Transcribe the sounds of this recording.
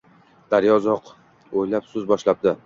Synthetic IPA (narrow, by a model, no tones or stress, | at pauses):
d̪̥aɾjɒzɒq | ojlapsɵzbɒʃlap̚d̪ɪ